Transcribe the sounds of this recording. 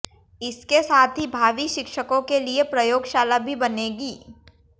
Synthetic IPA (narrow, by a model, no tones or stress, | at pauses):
ɪskesaːt̪ʰɦibʱaːʋiʃɪkʃəkõkeliepɾɐjoːɡʃaːlabʱibɐneːɡiː